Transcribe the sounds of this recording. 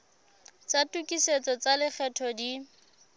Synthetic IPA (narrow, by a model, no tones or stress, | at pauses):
t͡satʼukʼiset͡sɔt͡salɪk͡xʰɛtʰɔdi